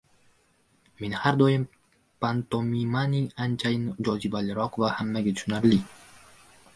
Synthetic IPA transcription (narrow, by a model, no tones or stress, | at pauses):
me̞nhaɾd̪ɒjɪm | pant̪omimaniant͡ʃʰajɪnd͡ʒɒzibalɪɾɒqvahamːaɡʲat̪ʊ̥ʃʊnaɾli